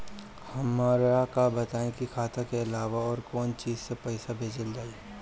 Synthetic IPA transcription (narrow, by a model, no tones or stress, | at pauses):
hɐmaːɾakabɐt̪aːẽkikʰaːt̪akeɪlaːʋaɔːɾkɔːnt͡ʃiːzsepɛɪsabʱeːd͡ʒəld͡ʒaːie